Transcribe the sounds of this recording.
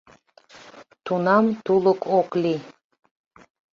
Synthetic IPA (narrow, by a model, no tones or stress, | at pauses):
t̪ʰunamt̪ʰuləkʼɔkʼli